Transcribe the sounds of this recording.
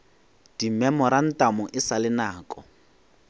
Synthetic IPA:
d̥imɛmɔɾan̩tʼamʊʔɪsalɪnaːkʼɔ

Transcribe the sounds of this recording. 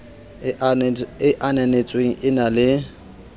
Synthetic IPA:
ɪʔanɛnet͡sʼweŋ̩ʔɪnalɪ

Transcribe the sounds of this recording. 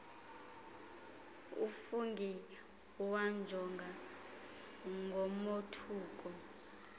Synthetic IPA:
ufuŋɡʱɛ | wand͡ʒʱɔŋɡʱa | ŋɡʱɔmotʰuːk̬ʼɔ

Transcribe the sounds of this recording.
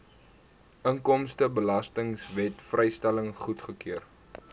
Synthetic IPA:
əŋkɔmstəbəlɐstəŋsvɛtfrʔɛjstæləŋχutχəkyər

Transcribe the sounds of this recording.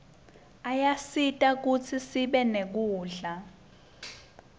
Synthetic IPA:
ajasitʼak̬ut͡sʰisiɓɛnek̬uːɮa

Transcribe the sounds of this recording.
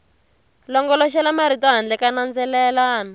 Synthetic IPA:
lɔŋɡɔlɔʃɛlamaɾ̤itaɦand͡ɮɛkanand͡zɛlɛlaːna

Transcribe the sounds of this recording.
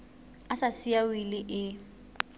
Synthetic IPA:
asasiawilɪʔɪ

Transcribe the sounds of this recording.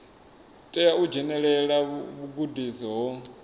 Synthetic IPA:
tʼɛjaud͡ʒɛnɛɺɛɺaβuɡudizɔɦɔ

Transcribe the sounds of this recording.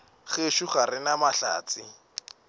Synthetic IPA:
χeʃuχarɪnamaɬa̰ːt͡sɪ

